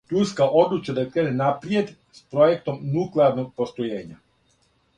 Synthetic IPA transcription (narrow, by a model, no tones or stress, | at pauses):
t̪uskaʔod̪lut͡ʃad̪akɾeːnenapɾied̪ | spɾojek̚t̪omnukleaɾnok̚post̪ojeːɲa